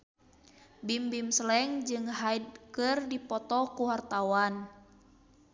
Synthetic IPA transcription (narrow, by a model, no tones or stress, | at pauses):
bimbimslɛŋd͡ʒɨŋɦaid̚kɨrdipɔt̪ɔkuɦart̪awan